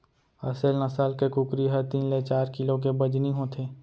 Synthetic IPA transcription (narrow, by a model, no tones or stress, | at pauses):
ɐ̰selnɐsaːlkekʊkɾiɦɐɾt̪iːnlet͡ʃaːɾkɪlõk̬ebɐd͡ʒniɦõt̪ʰeː